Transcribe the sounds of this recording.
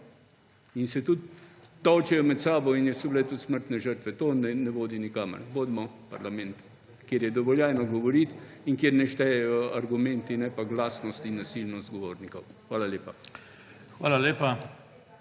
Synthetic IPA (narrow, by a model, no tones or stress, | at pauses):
insɛt̪ut̪ː | ɔwt͡ʃɛjɔmɛt̪saːbɔinjɛsublɛt̪ut̪sməɾt̪nɛʒəɾt̪ʋɛt̪oːnɛnɛʋoːd̪inikaːmə̰ɾʋoːd̪mɔpaɾlamɛnt̪ | kjeːɾjɛd̪ɔʋɔljajnɔɡɔʋɔɾit̪ | iŋkjeːɾnɛʃt̪ɛaɾɡumɛ̃nt̪inɛpaɡlaːsnɔst̪inːasilnɔst̪̚ɡɔʋoːɾnikɔwxʋaːlaleːpa | xʋa̰ːlaleːpa